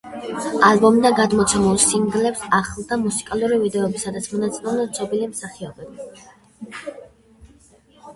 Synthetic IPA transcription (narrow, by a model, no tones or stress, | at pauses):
albɔmd̪aɡad̪mɔt̪sʰɛmulˠsiŋɡlɛpsaχlˠd̪amusi̥kʼaluɾivid̪ɛɔbisad̪at̪sʰmɔnat̪sʼilɛmnd̪at̪sʰʼɔbilimsaχiɔbɛbi